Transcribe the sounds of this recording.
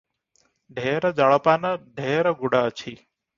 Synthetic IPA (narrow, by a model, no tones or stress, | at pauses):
ɖʱeɾəd͡ʒaɭəpanəɖʱeɾəɡuɽaət͡ʃʰi